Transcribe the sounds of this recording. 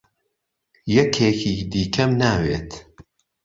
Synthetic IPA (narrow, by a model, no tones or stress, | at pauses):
jɛkʰeːkiːd̪iːkʰɐmnaːwḛːt̪